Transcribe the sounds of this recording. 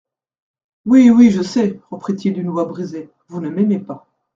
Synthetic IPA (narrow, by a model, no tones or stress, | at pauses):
wiwiʒəsɛʁəpχit̪ild̪ynəvwabʁize | vunəmɛmepa